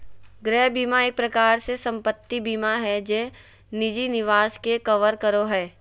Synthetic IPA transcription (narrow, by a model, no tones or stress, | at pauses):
ɡɾɛːɦbiːmaeːk̚pɾɐkaːɾsesɐ̃mpət̪ːibiːmaɦɛd͡ʒɛ̃ː | nɪd͡ʒinɪʋaːskekɐʋəɾkəɾoɦɛː